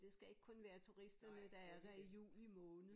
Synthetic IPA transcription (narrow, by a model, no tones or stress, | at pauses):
d̥e̝sɡ̥æe̝ɡ̥̚kʰɔ̽nʋæːɐt͡sʰuʁisd̥ɐnəd̥ɑ̈æɐʋ̥æijṵːlimɔ̽ːnð̩ˠ